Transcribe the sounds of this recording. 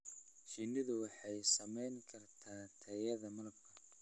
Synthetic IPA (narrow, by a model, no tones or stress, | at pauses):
ʃinɪðʊwɑħɑjsɐmɛjŋkʰɐrt̪ʰaːt̪ʰɐjɐðɐmɐlɐb̚kʰɐ